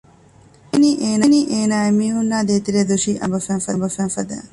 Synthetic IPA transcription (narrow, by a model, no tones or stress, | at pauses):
eniːʔeːneniːʔeːnaːemiːɦunːaːd̪eːt̪iɾed̪uʃiːʔɐ̰mbɐfæːfɐmbɐfæːfɐd̪æ̰ː